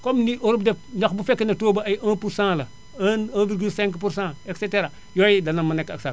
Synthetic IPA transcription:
komniʔoɾub̚defɲokbufekːənɐtoːbaajʔãːpuɾsãːlɐ | anãːviɾɡilsɛ̃ŋkpuɾsãːekseteɾa | joːjidɐnamanekːaksa

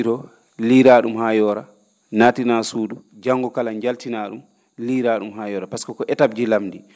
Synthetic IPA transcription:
ɾɔ | liɾaɗumhaːjɔːɾa | naːtinasuːdu | d͡ʒaŋɡɔkalaɲd͡ʒaltinaɗum | liːɾaɗumɦajɔːɾapaskɔkɔʔɛtabd͡ʒilamdi

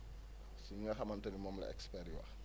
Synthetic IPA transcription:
siŋɡɐxɐmɐntɐnimɔmlɐ̰ɛ̰kspɛɾiwɐ̰

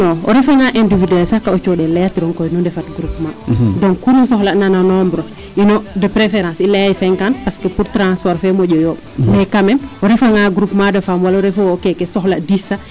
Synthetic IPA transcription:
nɔɔ̰ɾifaŋaʔɛndividɛlsakːaot͡ʃɔɗɛlajatiɾɔŋkɔjnɔndɛfatɡɾupmadɔ̃ŋkkːunusɔhlanananɔmbɾɔ | inɔdəpɾefɛɾãːsilaaisɛŋkanpaskəpuɾtɾãspɔɾfɛmɔɟɔjɔ | mɛkamɛmɔɾifaŋaɡɾupmadəfamwalaɔɾɛfoːkɛkɛsɔhladisa

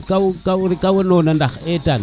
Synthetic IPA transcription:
kakauɾikawenonandaxetan

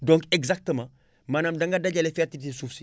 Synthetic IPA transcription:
dɔ̃ŋkɛɡzak̚təmã | manamdɐŋɡɐdɐɟɐlefɛtitisufsi

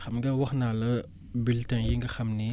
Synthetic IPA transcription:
xamɡɐwaxnaːlɐ | biltajiŋɡɐxɐmni

